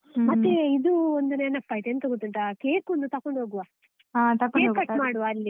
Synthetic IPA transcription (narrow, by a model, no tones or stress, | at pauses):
mɐt̪ːeid̪uond̪unenːɐpːaːjt̪eːnut̪ɐɡut̪ːiɳʈ̪akeːkond̪ut̪ɐkːoɳɖɦoːɡuʋaː | at̪ɐkeːkɐmaːɽuʋaɐlːi